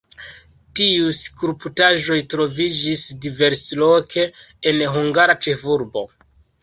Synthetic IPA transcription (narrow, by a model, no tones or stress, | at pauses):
tiujskuɾputaʒo̞jtɾo̞vid͡ʒisdive̞ɾslo̞kʰe̞ːnɦuŋɡaɾat͡ʃe̞fuɾbo̰